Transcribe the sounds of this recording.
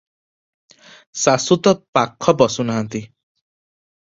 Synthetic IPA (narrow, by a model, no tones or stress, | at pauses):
sasut̪ɔpakʰːɔbɔsunaɦant̪i